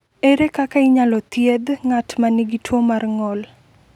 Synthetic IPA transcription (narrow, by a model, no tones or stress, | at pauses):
eɾekakaɪɲalɔt̪jed̪ŋatmaniɡitwomarŋɔl